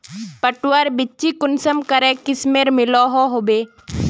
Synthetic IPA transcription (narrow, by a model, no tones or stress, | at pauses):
pəʈwəɾbɪt͡ʃikʊnsəmkəɾɛ̃kɪsmeːɾmɪloɦoɦoːbeː